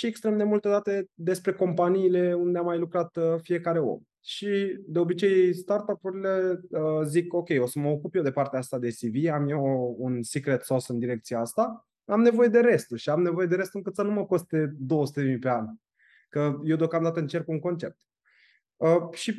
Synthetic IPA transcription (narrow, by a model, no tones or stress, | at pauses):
ʃie̞kst̪ɾe̞md̪e̞mult̪e̞d̪at̪e̞d̪e̞spɾe̞ko̞mpaniːle̞und̪eamːajlukɾat̪əfije̞kaɾe̞o̰m | ʃid̪e̞o̞bit͡ʃe̞jst̪art̪apuɾile̞əziko̞kʲe̞jo̞səməokupjewd̪e̞part̪eaast̪ad̪e̞siviamjeounsikɾe̞t̪so̞sɨnd̪iɾe̞k̚t̪sijeast̪a | amne̞vo̞je̞d̪e̞ɾe̞st̪uʃiamne̞vo̞je̞d̪e̞ɾe̞st̪uɨŋkɨt̪sənuməkost̪̚d̪e̞d̪o̞əsu̥t̪eemipe̞anʲ | kəje̞wd̪eo̞kamd̪at̪əɨnt͡ʃe̞rkuŋko̞nt͡ʃe̞̰p̚t̪ | əʃi